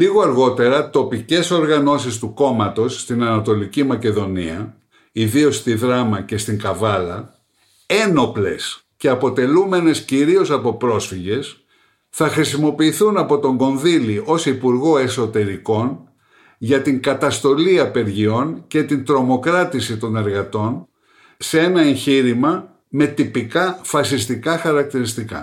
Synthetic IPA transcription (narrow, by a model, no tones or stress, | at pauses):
liɣo̞ɐɾɣo̞t̪e̞ɾɐt̪o̞pice̞so̞ɾɣɐno̞sist̪uko̞mɐt̪o̞sːt̪inɐnɐt̪o̞licimɐce̞ðo̞nḭɐ | iðio̞st̪iðɾɐmɐce̞st̪iŋkɐvɐlɐ | e̞no̞ple̞̰s | ce̞ɐpo̞t̪e̞lume̞ne̞sciɾio̞sɐpo̞pɾo̞sfiʝe̞s | θɐxɾisimo̞piːθunɐpo̞t̪o̞ŋɡo̞nðilio̞sipuɾɣo̞e̞so̞t̪e̞ɾiko̞n | ʝɐt̪iŋkɐt̪ɐst̪o̞liɐpe̞ɾʝio̞nce̞t̪int̪ɾo̞mo̞kɾɐt̪isit̪o̞ne̞ɾɣɐt̪o̞n | see̞nɐeɲçiɾimɐ | me̞t̪ipikɐfɐsist̪ikɐxɐɾɐk̚t̪iɾist̪ikɐ̰